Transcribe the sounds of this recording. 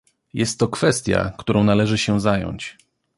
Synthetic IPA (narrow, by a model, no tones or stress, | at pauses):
jɛst̪ːɔkfɛst̪ʲja̰kt̪uɾɔ̃w̃nalɛʐɘɕɛzajɔ̰ɲt͡ɕ